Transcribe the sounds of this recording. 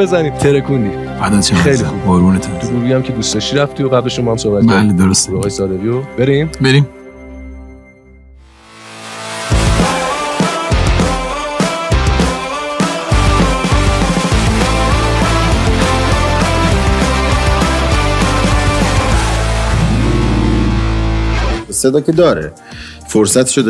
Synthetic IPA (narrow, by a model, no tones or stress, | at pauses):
bezæni̥ːt̪ʰeɾekʰund̪i | ad̪ɔt̪ʰexejlixuboɾbuːnet̪ʰut̪uɾubiæmcʰed̪uːst̪ɒʃiɾæft̪ioɣæble̞ʃomɒhæmsohbæt̪bæled̪oɾost̪iɒːɣɒːjesɒːd̪eviːjobeɾimbeɾim | sed̪ɒːkʰed̪ɒːɾḛ | foɾsæt̪ʰʃod̪